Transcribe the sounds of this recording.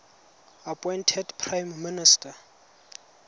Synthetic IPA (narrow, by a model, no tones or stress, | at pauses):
apʼɔjntʰɛdpʰrajmːinɪstʰʼa